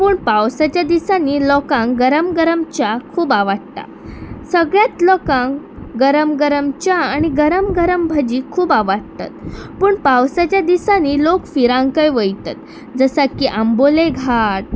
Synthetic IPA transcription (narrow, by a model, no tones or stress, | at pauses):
puːɳpawsat͡ɕjad̪isanːilɔkãŋkɡəɾəmɡəɾəmt͡ɕakʰuːbaʋaɽt̪a̰ | səɡɭjat͡slɔkãŋɡəɾəmɡəɾəmt͡ɕjaaɽ̃iɡəɾəmɡəɾəmbʱad͡ʑiːkʰuːbaʋaɽt̪a̰t̪puːɳpawsat͡ɕjad̪isaniːlokfiɾãŋɡkajʋəjt̪at̪ | d͡zəsakiʔamboleɡʱaʈ